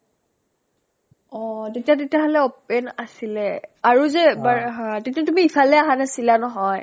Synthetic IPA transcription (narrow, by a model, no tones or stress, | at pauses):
ɔ̃tetijatetiaɦɔlɛɔpɛnasilɛaɹuzɛbaɦãtetijatumiipʰalɛaɦanasilanɔɦɔj